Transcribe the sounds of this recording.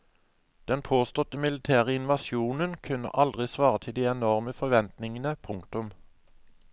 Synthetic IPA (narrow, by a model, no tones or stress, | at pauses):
d̪̥ɛnpʰoːst̪ɔt̪əmɪlət̪ʰæːʁəɪnʋɑsjuːnənkʰʉnə̰ʔɑld̪ʁɪsʋɑːʁət̪ʰɪld̪iːɛnɔʁməfɔʋɛnt̪nɪŋənəpʰʊŋk̚t̪ʊm